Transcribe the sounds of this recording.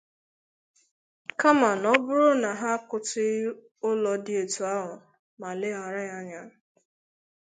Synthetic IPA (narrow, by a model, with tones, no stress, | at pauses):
ka˦ma˨nɔ˦bʊ˦ɾʊ˦na˨ɦa˦kʊ˨tɪ˦ | ʊ˦lɔ˨dɪ˦e˨tu˨a˦ɦʊ˨ | ma˨lɪ˦ɦa˨ɾa˦ɲa˦ɲa˦